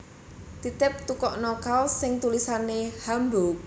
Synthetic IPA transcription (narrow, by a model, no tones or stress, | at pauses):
t̪it̪ɪp̚t̪ukɔʔnɔkalsɪŋt̪ulisanehambok̚